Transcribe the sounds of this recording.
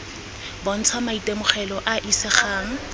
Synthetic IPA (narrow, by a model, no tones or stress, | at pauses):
bɔn̩t͡sʰwamaitʼemʊχɛlɔʔaʔisɪχaːŋ̩